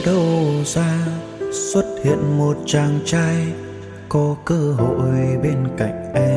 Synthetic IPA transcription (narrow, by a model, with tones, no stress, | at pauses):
ɗə˧wzaː˧ | swə˦˥t̚hḭ˧˨ənmo˨˩t̚t͡ɕaː˨˩ŋt͡ɕaː˧j | kɔ˨˦kəː˧ɦo̰˧˨jɓe˧nka̰˧˨jŋ̟ʔɛ˧